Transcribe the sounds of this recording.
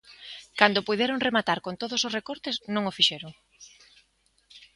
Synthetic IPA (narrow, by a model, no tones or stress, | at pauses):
kand̪opuðeɾoŋremat̪aɾkont̪oðososrekoɾt̪esnõŋofiʃeɾoŋ